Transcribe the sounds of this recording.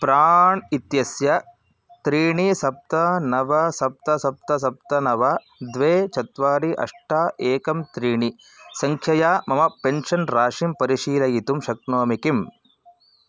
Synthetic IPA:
pɾaːɳit̪jɐsjɐ | t̪ɾiːɳisɐp̚t̪ɐnɐʋɐsɐp̚t̪ɐsɐp̚t̪ɐsɐp̚t̪ɐnɐʋɐ | d̪ʋeːt͡ʃɐt̪ʋaːɽiʔɐ̰ʂʈaːʔeːkɐmt̪ɾiːɳi | sɐŋkʰjɐjaːmɐmɐpenʂɐnɾaːʂimpɐɾiʃiːlɐjit̪umʃɐk̚noːmikim

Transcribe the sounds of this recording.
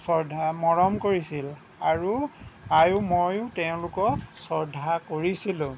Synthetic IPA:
sɔɹdʱamɔɹɔmkoɹisil | aɹuajʊmojʊteʊ̃lʊkɔsɔɹdʱakoɹisilʊ̃

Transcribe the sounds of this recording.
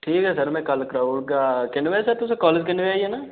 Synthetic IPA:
ʈʰiːkɦɛːsəɾmɛ̃ːkəlkɾaːʋʊɽɡaːkɪnʋɛːsəɾt̪ʊsẽːkɔːleːd͡ʒkɪnʋeaːiɦɛːnaː

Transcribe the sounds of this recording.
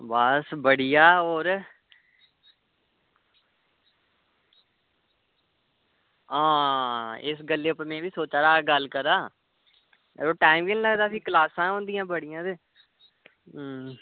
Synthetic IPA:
bəsbəɽiːjaːoːɾ | ãː | ɪs̬ɡəlːeːpəmẽːʋiːsoːt͡ʃaːɾaːɡəlkəɾaː | oːʈaːimɡiːnːləɡd̪aːpʰiːklaːsãːɦõːnd̪ijãːbəɽijãːd̪eː

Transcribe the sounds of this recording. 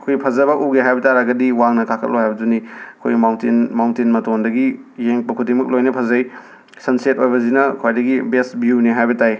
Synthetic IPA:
ɐkʰojpʰɐzɐbɐʔuɡeɦajbɐtaɾaɡɐdiwaŋnɐkakʰɐ̰t̚lohajbɐduniɐkʰo̰jɡmawntinmawntinmɐtondɐɡijeŋpɐkʰudiŋmɐk̚lojnɐpʰɐzɐj | sɐnset̚ojbɐzinɐkʰwajdɐɡibesbjuneɦajbɐtaj

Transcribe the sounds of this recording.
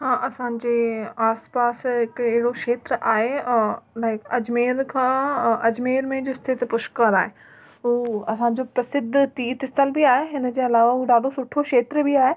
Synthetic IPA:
ɦãːʔɐsãːɲ̆d͡ʑeːaːspaːsɦɪkɪɦɪɽoʃeːt̪ɾʔaːɦẽlaːɪkɐd͡ʑmeːɾkʰãːɐd͡ʑmeːɾmẽd͡ʑost̪ʰɪt̪pʊʃkəɾaːɦe | ɦuɐsãɲ̆d͡ʑoːpɾɐsɪd̪ʱt̪iːɾt̪ɪst̪əlbiaːɦeɦɪnə̆d͡ʑeːɐlaːʋaɦuːɖaːɗosʊʈʰoʃeːt̪ɾbɪaːɦe

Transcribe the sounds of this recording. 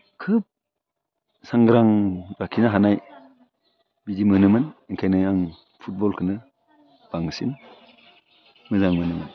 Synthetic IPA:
kʰɯp̚ | saŋɡɾaŋɾakʰinaɦanaj | bidimɯnɯmɯniŋkʰajnajaŋ | pʰut̚bɔlkʰɯnɯ | b̥aŋsin | mɯzaŋmɯnɯmɯn

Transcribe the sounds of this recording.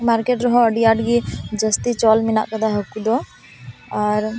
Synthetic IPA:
maːɾkeʈɾɔɦoəɖijaɖɡid͡ʒəst̪it͡ʃɔːlmina̰ʔkəd̪aɦɐkːud̪o | ɔːɾ

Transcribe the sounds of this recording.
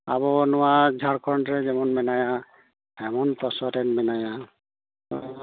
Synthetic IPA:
a̰βɔnɔwad͡ʒʱaɾkʰɔndɹɛzɛmɔnmɛnaja | hɛmɔnpɔsɔtɛnmɛnaja

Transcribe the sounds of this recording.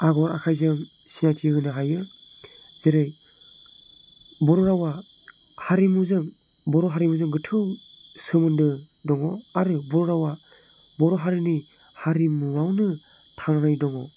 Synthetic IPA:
aɡɔɾa̰kʰajzɯŋ | sinatʰiɡɯnɯɦajɯ | z̥eɾɯj | bɔɾɔɾawa | haɾimuzɯŋ | bɔɾɔɦaɾimuzɯŋɡɯtʰɯwsɯmɯndɯ | dɔŋɔaɾɯbɔɾɔɾawa | bɔɾɔɦaɾɯni | haɾimuawnɯ | tʰaŋnajdɔŋɔ

